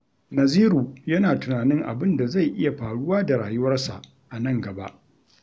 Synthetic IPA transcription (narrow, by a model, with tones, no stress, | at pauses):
nɐ˨ziː˦ɾuː˨jɐ˦naː˨tʊ˨naː˨nɪ˦ŋʔa̰˨bɪ˦nda˨za˦˨jʔɪ˦ja˨ɸaː˨ɽʊ˦waː˦da˨ɾaː˨jʊ˦wɐ˦rsa̰˨ʔ | ʔa˨nɐ˦ŋɡɐ˨ba̰˦ʔ